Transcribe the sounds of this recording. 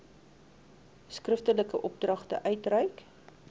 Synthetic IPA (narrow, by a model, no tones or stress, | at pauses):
skrəftələkəʔɔp̚drɐχtə̰ʔœɥtrəjk